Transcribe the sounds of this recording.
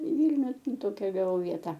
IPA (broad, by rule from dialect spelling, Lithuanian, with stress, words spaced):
ɪ ˈʋʲiːlʲnʲʊ ˈtoːkʲɛ ɡɐˈʋɐʊ ˈʋʲiɛtɐ